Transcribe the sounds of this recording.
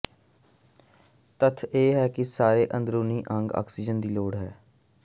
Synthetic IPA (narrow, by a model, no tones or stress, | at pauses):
t̪ət̪ʰeːɦɛːkɪsaːɾeːʔənd̪ɾoːniːʔəŋɡa̰ːksiːd͡ʒənd̪iːloːɽɦɛː